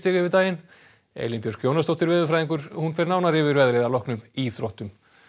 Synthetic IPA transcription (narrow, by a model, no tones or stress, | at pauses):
t̪ɪɣʏvɪɾt̪aːjɪn | ḛːjlimpjœɾ̥kʰjoːwnast̪ɔwht̪ɪɾvɪːðʏfɾaːjðiŋkʏɾ̥hunfɛɾnawnaɾɪːvɪɾvɛðɾejðalɔhknʏmiθɾowht̪ʏm